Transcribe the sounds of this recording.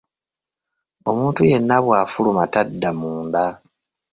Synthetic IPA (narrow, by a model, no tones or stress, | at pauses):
o̞muːntuje̞nːaβwaːfulumatadːamuːnda